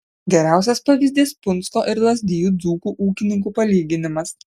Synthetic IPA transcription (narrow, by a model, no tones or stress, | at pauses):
ɡʲɛɾʲæˑʊsʲɛspɑʋʲɪzʲd̪ʲeːspʊnˑskoːʔɪɾlˠɐzʲd̪ʲɪjuːd̪zuːkuːʔuːkʲɪnʲɪŋk̬uːpɐlʲiːɡʲɪnʲɪmɐs